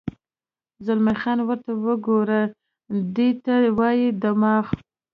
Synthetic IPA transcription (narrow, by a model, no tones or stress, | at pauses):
zʊlmaxɑnwəɾt̪awəɡoɾə | d̪et̪awɑjid̪amɑx